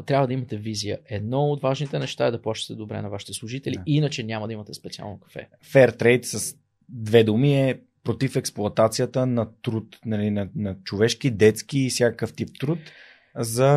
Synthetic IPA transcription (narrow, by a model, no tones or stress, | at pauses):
t̪ɾʲabvəd̪ɐimɐt̪ɛvizijə̰ʔɛd̪nɔot̪vaʒnit̪ɛnɛʃt̪aɛd̪ɐplˠaʃt̪ə̥t̪ɛd̪obɾɛ̰nɐvaʃi̥t̪ɛslˠʊʒit̪ɛliinət͡ʃɛnʲamɐd̪ɐimɐt̪ɛspɛt̪sia̰lˠnokɐ̥fɛ̰ | fɛɾt̪ɾɛjt̪səs | d̪vɛd̪umiɛ | pɾot̪ifɛksplˠʊɐt̪at̪sijət̪ənɐt̪ɾut̪nɐlinɐnɐt͡ʃovɛʃk̟id̪ɛt̪skiːfsʲjakəkəft̪ip̚t̪ɾut̪ | zɐ